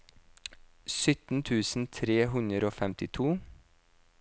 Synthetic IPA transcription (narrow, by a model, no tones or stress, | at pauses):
sʏt̪n̩t̪ʰʉːsn̩t̪ʰɾeːɦʉnəɾoːfɛmt̪ɪt̪ʰuː